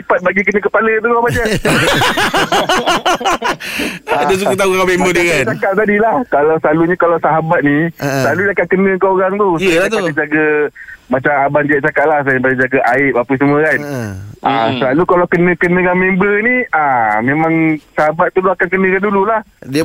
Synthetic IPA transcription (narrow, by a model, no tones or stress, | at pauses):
ipat̪̚baɡik̬ənə̃kəpalət̪uɡabad͡ʒə | adasukut̪auakamembədiəkant͡ʃakaʔ̚t̪adilahkalawsəlaluɲə̃kalawsaɦabat̪̚nisəlaludiakaʔ̪̚kənə̃əkaoɾaŋt̪ust̪adad͡ʒaɡəmat͡ʃamaband͡ʒaʔ̚t͡ʃakaʔ̪lahsapadad͡ʒaɡaʔaɪp̚apəs̬əmuəkanʔa̰səlalukalawkənə̃kənə̃kanmẽmbəniamẽmãŋsaɦabat̪̚ːuluakankənə̃kandululahdi